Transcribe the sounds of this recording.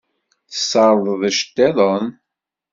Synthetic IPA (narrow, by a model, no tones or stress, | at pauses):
θə̥sːɑɾˤðˤðəʃt̪ːɛðˤən